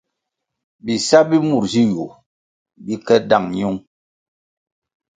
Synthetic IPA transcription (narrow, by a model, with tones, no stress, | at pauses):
bi˨sa˦bi˦mu˦˨ɾzi˦ju˨ | bi˦kɛ˦da˦˨ŋɲu˦ŋ